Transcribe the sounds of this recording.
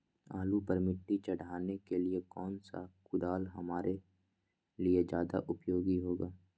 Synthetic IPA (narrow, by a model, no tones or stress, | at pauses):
a̰ːlupəɾmɪʈːit͡ʃɐɽ̤aːnekeliekɔːnsa̰kʊd̪aːlɦɐmaːɾʔe | lied͡ʒjaːd̪a̰ʔʊpjoːɡiɦoːɡaː